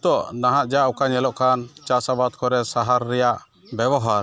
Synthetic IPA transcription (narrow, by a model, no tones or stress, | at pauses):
t̪ɔʔnaɦaʔd͡ʒaʔɔkaɲɛlɔʔkant͡ʃasabad̪̚kʰɔɾɛsaɦaɾːɛjaʔ | bɛbɔɦaɾ